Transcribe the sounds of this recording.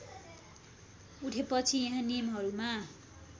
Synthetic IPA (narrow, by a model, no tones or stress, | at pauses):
uʈʰepʌt͡sʰijʌ̃ɦãnijmɦʌɾuma